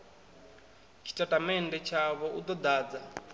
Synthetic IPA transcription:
t͡ʃʰi̥tʼatʼamɛndɛt͡ʃʰaβɔud̪ɔd̪aːd͡za

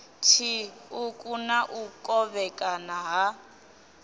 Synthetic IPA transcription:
t͡ʃʰiukʼunaʔukʼɔβɛkʼanaɦa

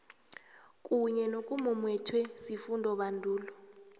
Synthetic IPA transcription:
kʼuɲɛnokʼumumwɛtʰwɛsifundʱɔɓandʱuːlɔ

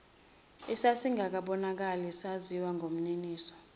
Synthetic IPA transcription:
isasiŋɡʱak̬aɓɔnak̬alisaziwaŋɡʱom̩neniːsɔ̥

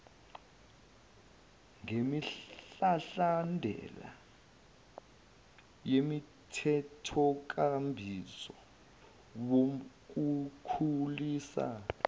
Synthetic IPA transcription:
ŋemiɬaɬandʱɛ̰la̰ | jemi | tʰɛtʰɔk̬ʼambʱisɔ | wo | k̬ukʰuliːsa̰

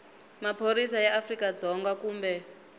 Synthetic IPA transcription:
mapʰoɾisajɛafrikad͡zɔŋɡakuːmbɛ

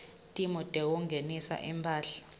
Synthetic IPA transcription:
tʼimɔtʼɛk̬ɔŋenisa̰ʔimpʰaːɬḁ

